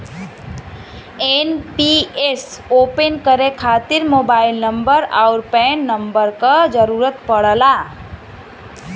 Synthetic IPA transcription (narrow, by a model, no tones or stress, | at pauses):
enpiesopenkəɾekʰat̪iɾmobailnəmbəɾaʊɾpenːəmbəɾkəd͡ʒəɾuɾət̪̚pəɽəla